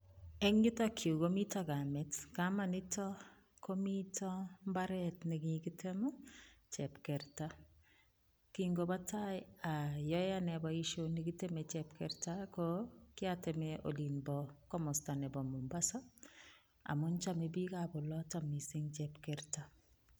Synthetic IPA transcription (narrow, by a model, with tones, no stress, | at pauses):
ɛ˦ŋːɪ˦tɔkʰju˨ko˦mi˦tɔɡamɛ˦tkama˨nɪ˦tɔ | ko˦mitʰɔ˦mba˦ɾɛtnɪ˨ɡɪkɪ˦tʰɛmɔ˦t͡ʃɛpkɛ˨ɾta˦ | kiŋɡo˨ba˦ta˦jajɔja˦nɛ˨bɔ˨i˦ʃo˦niki˦te˦mɛ˨t͡ʃɛpkɛɾtakokɪ˦atɛ˨mɛʔo̰˨li˨nbɔkɔ˦mɔ˨sta˨nɛ˨bɔ˨mu˨mba˦sa˦ | a̰˨mʊnt͡ʃa˦me˨bi˦kabɔ˨lɔta˨mi˨sɪ˦ŋt͡ʃɛ˨pkɛɾta